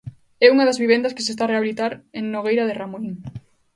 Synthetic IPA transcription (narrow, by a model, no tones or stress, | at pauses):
ɛuŋɐaðazβiβ̞end̪ɐske̥sest̪areaβilit̪aɾeŋnoɣejɾaðeramoiŋ